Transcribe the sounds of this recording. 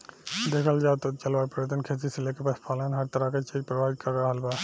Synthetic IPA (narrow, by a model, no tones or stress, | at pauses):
d̪eːkʰəld͡ʒaːt̪ot͡ʃɐlʋaːpɾəʋət̪ənkʰeːt̪̬iselekepaspʰaːlənɦɐɾt̪əɾakat͡ʃeːk̚pɾɐʋaːɪt̪̚kɐɾːɐaɦəlbaː